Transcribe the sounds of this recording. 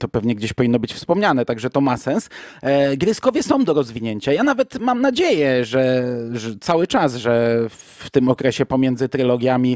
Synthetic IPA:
t̪ɔpɛvɲɛɡd͡ʑeɕpɔvʲinːɔbɘt͡ɕfspɔmɲanɛt̪aɡʐɛt̪ɔmasɛnsɡɾʲɘskɔvʲjɛsɔ̃w̃d̪ɔɾɔzvʲiɲeɲt͡ɕajanavɛt̪mamnad͡ʑejɛʐɛʐɛt̪sawɘt͡ʂazʐɛ | t̪ɘmɔkɾɛɕɛpɔmʲjɛnzɘt̪ɾɘlɔɡʲjamʲi

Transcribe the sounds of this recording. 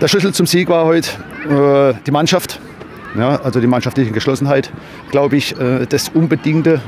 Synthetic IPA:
d̥eːɐʃʏsl̩t͡sʊmziːɡvaːɐhɔʏtɛd̥iːmanʃaft | jaʔalzodiːmanʃaftlɪçəɡəʃlɔsn̩ɦaɪt | ɡ̥laʊbəɪçɛːd̥asʔʊnbədɪŋtə

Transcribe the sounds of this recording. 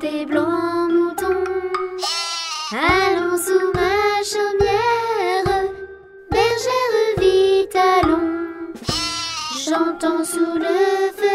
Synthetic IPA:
t̪eblɔ̃mut̪ɔ̃ | alɔ̃sumaʃɔmjɛʁə | bɛʁʒɛʁəvit̪alɔ̃ | ʃɑ̃t̪ɑ̃suləfə

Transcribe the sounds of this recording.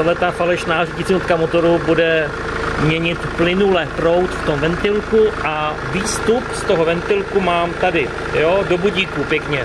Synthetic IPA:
adlɛt̪afalɛʃnaːriɟɪt͡siot̪kamot̪o̞ɾubudɛ | mɲɛɲɪt̪plɪnulɛːpɾo̞wt̪ft̪o̞mvɛnt̪ɪlkuʔa | viːst̪upst̪o̞ɦo̞vɛnt̪ɪlkumaːmt̪adɪ | jo̞ːdo̞buɟiːkupjɛkɲɛ

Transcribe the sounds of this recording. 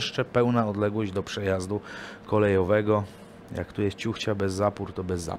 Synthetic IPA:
ʂt͡ʂɛpɛwnaɔd̪lɛɡwɔʑd͡ʑd̪ɔpʂɛjazd̪ukɔlɛjɔvɛɡɔ | ja̰kt̪ujɛst̪t͡ɕuxt͡ɕabɛzːapuɾt̪ɔbɛzːa̰

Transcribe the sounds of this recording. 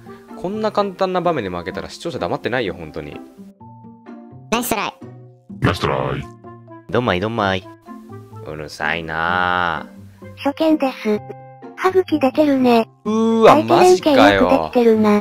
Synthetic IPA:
kʰõ̞nːakãnt̪ãnːabamẽ̞ɲːimake̞t̪aɾa̰ɕi̥t͡ɕo̞ːɕ̬ad̪amat̪ːe̞naijo̞hõ̞nt̪o̞ɲ̟ḭ | naisɨɾa̰i | ma̰st̪ɾa̰jd̪õmːaid̪õmːai | ɯ̟̰ɾɯ̟̰sa̰ḭna | ɕokẽnd̪esɨhaɡɯ̟kʲid̪ek̪eɾɯ̟ne̟ | ɯ̟ːaaimːeẽŋikekaiɯβd̪eit̪eɾɯ̟na

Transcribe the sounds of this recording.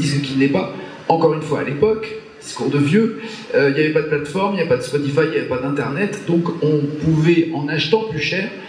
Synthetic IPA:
isəkʲinɛpa | ɑ̃kɔʁynfwa̰ːlepɔk | d̪̥iskuʁd̪əvjø | øiljavɛpad̪əplat̪fɔʁmiljapad̪əspɔt̪ifajjavɛpad̪ɛ̃t̪ɛʁnɛt̪d̪ɔ̃kɔ̃puvɛʔɑ̃naʃt̪ɑ̃plyʃɛːʁ

